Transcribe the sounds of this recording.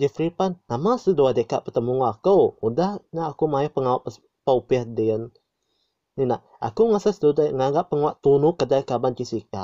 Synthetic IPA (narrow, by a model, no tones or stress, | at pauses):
d͡ʒəfɾipanːamasəduadəkaʔpət̪əmuŋɔakəwudahnaʔakumajahpəŋawaʔp | pəupiahdiən | inaʔ | a̰kuŋasasədudajŋaɡaʔp̚pːəŋawaʔt̪unukədajkabant͡ʃisika̰